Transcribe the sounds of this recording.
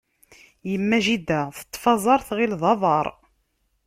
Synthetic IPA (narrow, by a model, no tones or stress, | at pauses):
jəmːæʒid̪æθə̥t̪ˤːfɑzˤɑɾˤθʁilðˤɑðˤɑɾˤ